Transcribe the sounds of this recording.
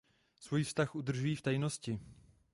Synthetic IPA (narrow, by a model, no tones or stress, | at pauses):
svujfst̪axʔud̪r̩ʒujiːft̪ajnoscɪ